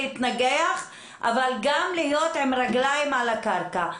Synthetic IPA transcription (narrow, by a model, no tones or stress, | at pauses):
it̪naɡeaχ | ʔa̰valɡamlijo̞t̪emɾaɡlajmalakaʁka